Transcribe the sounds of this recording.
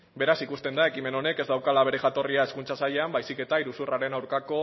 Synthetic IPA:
be̞ɾasikust̪e̞nd̪ae̞kime̞no̞ne̞ke̞zd̪awkalaβ̞e̞ɾe̞ɣat̪o̞riae̞skunt͡sasaʎeambajsike̞t̪aiɾusuraɾe̞nawɾkako̞

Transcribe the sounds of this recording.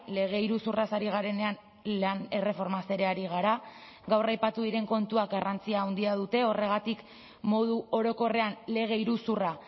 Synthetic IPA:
le̞ɣ̞e̞iɾusurasaɾiɣ̞aɾe̞ne̞an | lane̞re̞fo̞ɾmase̞ɾe̞aɾiɣ̞aɾa | ɡawrajpat̪uðiɾe̞ŋko̞nt̪uak̚ɡarʔant͡siaːwnd̪iaðut̪e̞o̞re̞ɣ̞at̪ik | mo̞ðuo̞ɾo̞ko̞re̞anle̞ɣ̞e̞iɾusura

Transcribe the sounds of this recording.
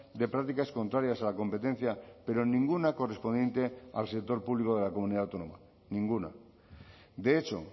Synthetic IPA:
d̪e̞pɾak̚t̪ikasko̞nt̪ɾaɾjasalako̞mpe̞t̪e̞n̟θjape̞ɾo̞nĩŋɡunako̞respo̞nd̪je̞nt̪e̞a̰lsek̚t̪o̞ɾpuβliko̞ð̞e̞lako̞muniðawt̪o̞noma̰ | nĩŋɡuna̰ | d̪e̞et͡ʃo̞̰

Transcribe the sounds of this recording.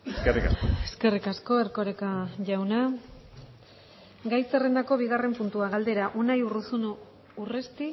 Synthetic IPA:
skerika̰eske̞rikasko̞eɾko̞ɾekaʝawna | ɡajse̞re̞nd̪ako̞β̞iɣ̞are̞mpunt̪uaɣald̪e̞ɾaʔunajurusunu | urest̪i

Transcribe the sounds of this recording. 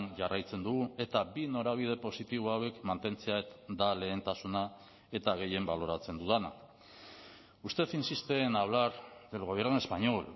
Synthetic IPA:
nʝarajt͡se̞nd̪uɣue̞t̪abino̞ɾaβ̞ið̞e̞po̞sit̪iβ̞oawe̞kmant̪e̞nt͡se̞ad̪ale̞ːnt̪asuna | e̞t̪aɣe̞je̞mbalo̞ɾat͡se̞nd̪uðana̰ | ust̪e̞θinsist̪enaβlaɾðe̞lɣ̞o̞β̞e̞ɾnue̞spaɲo̞l

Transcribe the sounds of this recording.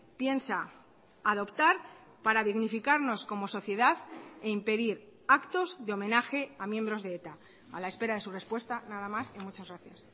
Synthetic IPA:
pje̞nsaː | ðo̞pt̪aɾ | paɾaðiɣnifikaɾno̞sko̞mo̞so̞θje̞ðaðeimpe̞ðiɾakt̪o̞zðeo̞mẽ̞naxe̞amjẽ̞mbɾo̞zðeet̪a | a̰lae̞spe̞ɾað̞e̞surespwe̞st̪anað̞amasimut͡ʃazɣɾaθjas

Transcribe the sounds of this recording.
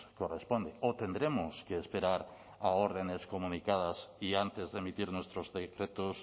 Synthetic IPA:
korespond̪eot̪end̪ɾemoskeːspeɾaɾ | aoɾð̞eneskomũnikað̞asiant̪ezðemit̪iɾnwest̪ɾozðekɾet̪os

